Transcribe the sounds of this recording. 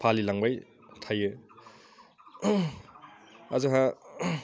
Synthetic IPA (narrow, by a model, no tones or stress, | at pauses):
pʰalilaŋbaj | tʰajɯ | azɯɦa